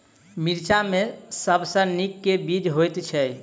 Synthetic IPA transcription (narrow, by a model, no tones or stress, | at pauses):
miɾt͡ʃamesəbsə̃nikːebid͡ʒɦojt̪t͡ʃʰɛj